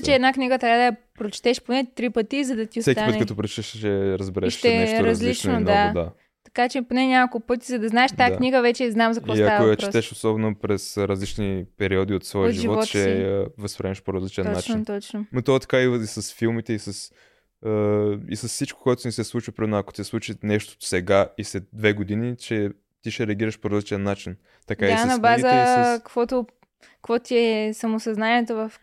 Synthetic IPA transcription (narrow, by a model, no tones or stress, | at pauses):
t͡ʃɛːd̪nakniɡət̪ɾʲad̪ɐjɐ | pɾot͡ʃi̥t̪ɛʃponɛt̪ɾipət̪izɐd̪ɐt̪iosɛkt̪iaənɛkət̪ɔpɾot͡ʃɛ̥t̪ɛʃt͡ʃːɛɾəzbɛɾɛʃt̪ɛɛʃɾɐzlit͡ʃnod̪ad̪a | t̪ɐ̥kat͡ʃɛponɛɲʲakolˠkʊpɤt̪izɐd̪ɐznaɛʃt̪ajakniɡəvɛt͡ʃɛznamzɐkkvɔsɐaɐojɐt͡ʃpɾɛt̪ɛʃosɔbɛnopɾɛsɾɐzlit͡ʃnipɛɾiɔd̪iot̪svɔjəoʒiʒivɔtvɔt̪t͡ʃɛəvɐspɾʲɛnʃpoɾɐzlit͡ʃɛnat͡ʃt͡ʃint̪ɔt͡ʃnonot̪ot̪ɐ̥kaiisɐsfilˠmit̪ɛisəs | əḭsɐssit͡ʃko̥koɛt̪ʊnisɛslˠut͡ʃəpɾɛɛnɐko̥t̪isɛslˠut͡ʃinɛʃt̪o̥sɛɡaislɛt̪̚d̪vɛɡod̪init͡ʃɛ | t̪iʃɛɾɛɐɡʲiɾəʃpoɾɐzlit͡ʃɛnːat͡ʃin | t̪ɐkaiasnɐbazəkəkvɔt̪ʊ | kkvɔt̪iɛsɐmʊsɐznaniɛt̪ovɐf